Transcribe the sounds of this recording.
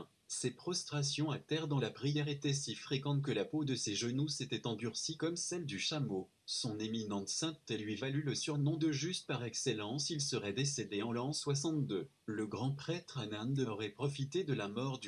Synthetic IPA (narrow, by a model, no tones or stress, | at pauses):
sepχɔst̪χasjɔ̃at̪ɛʁd̪ɑ̃lapχijɛʁet̪ɛsifχekɑ̃t̪kəlapod̪əseʒənuset̪ɛt̪ɑ̃b̪yʁsikɔmsɛld̪yʃamo | sɔ̃neminɑ̃t̪sɛ̃t̪elɥivalyləsyʁnɔ̃d̪əʒyst̪̚paʁɛkselɑ̃silsəʁɛd̪esed̪eɑ̃lɑ̃swas̬ɑ̃t̪̚d̪ø | ləɡʁɑ̃pχɛt̪χanand̪əɔʁɛpχɔfit̪ed̪əlamɔʁd̪y